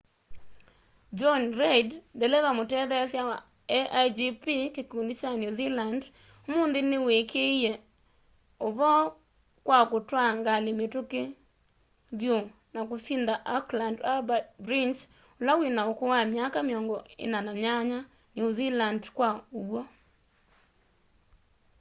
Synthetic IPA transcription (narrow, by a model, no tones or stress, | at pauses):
d͡ʒɔnɾɛiddɛlɛðamotɛðɛsjawa | ɛʔad͡ʒipikekondit͡ʃanjuziland | omondenewekʰeiɛ | oβɔ | kwakotwaŋɡalemetoke | βjo | nakosindaʔaklandabatbɾint͡ʃ | olawenaokowamjakameɔŋɡɔḛnanaɲaɲa | nozilandkwaowwɔ